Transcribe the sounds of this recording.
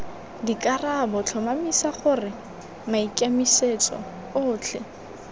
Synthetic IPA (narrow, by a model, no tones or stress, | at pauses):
dikʼarabɔt͡ɬʰɔmamisaχʊrɪ | maikʼamiset͡sʼɔ̰ | ʊːt͡ɬʰɛ